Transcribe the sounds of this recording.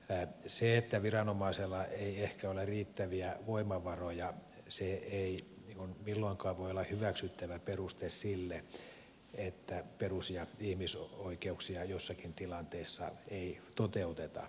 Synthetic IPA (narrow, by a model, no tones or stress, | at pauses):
seet̪ːæʋirɑnomɑiselːɑeiehkæoleriːt̪ːæʋiæʋoimɑʋɑrojɑ | seei | niːŋkunmilːoiŋkɑːʋʋoiolːɑhhyʋæksyt̪ːæʋæperust̪essilːe | et̪ːæperusjɑihmisoikeuksiɑjosːɑkint̪ilɑnt̪eisːɑ̰eit̪ot̪eut̪et̪ɑ̰